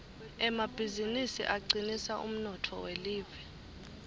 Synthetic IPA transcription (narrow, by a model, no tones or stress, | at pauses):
ɛmab̥ʱizinisḭʔaɡ͡ǀinisaʔṵm̩nɔtʰɔweliːvɛ